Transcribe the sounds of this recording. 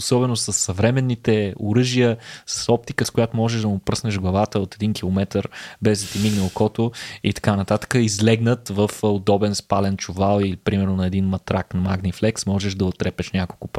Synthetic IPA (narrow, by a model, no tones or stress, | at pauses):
osɔbɛnosəsːɐvɾɛmɛnːit̪ɛʊɾɤʒijəsə̥sɔp̚t̪ikəskʊjat̪ʊmɔʒɛʒd̪ɐmʊpɾɤsnɛʒɡlˠɐvat̪əot̪ɛd̪inkilˠomɛt̪əɾbɛzd̪ɐt̪imiɡnəlˠkɔt̪oit̪ɐ̥kanɐt̪at̪ə̥kəizlɛɡnət̪vəfod̪ɔbɛnspalɛnt͡ʃʊvalˠilipɾimɛɾnʊnɐɛd̪inmɐt̪ɾaknɐmaɡniflɛksmɔʒɛʒd̪ɐot̪ːɾɛpɛʃnʲakolˠkʊp